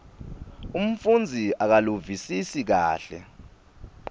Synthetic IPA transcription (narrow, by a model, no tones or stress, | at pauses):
um̩fund͡zʱiak̬aluvisisik̬a̰ːɬɛ̰